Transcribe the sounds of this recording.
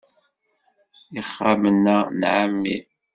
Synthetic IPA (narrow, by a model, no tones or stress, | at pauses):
iχːamənːanʕamːḭ